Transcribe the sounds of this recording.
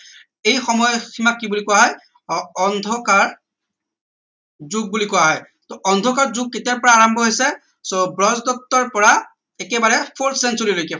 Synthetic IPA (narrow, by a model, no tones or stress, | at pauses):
ejxɔmɔjɔximakːibulikɔwaɦɔj | ɔndʱɔkaɹ | zuɡ̚bulikɔjaɦɔj | tɔʔɔndʱɔkaɹzʊɡ̚ketiapɔɹaːɹɔmbʱɔɦojsɛ | sobɹɔzdɔtːɔɹpɔɹa | ɛkɛbaɹɛpʰoltsɛnsuɹilojkɛ